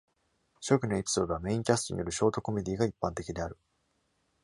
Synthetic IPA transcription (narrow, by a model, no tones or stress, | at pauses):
ɕo̞kɯ̟no̞e̞pʲi̥so̞ːd̪o̞βame̞ĩŋkʲasɨ̥t̪o̞ɲ̟ḭjo̞ɾɯ̟ɕo̞ːt̪o̞ko̞me̞d̪ʲiːɡaipːãnt̪e̞kʲid̪e̞aɾɯ̟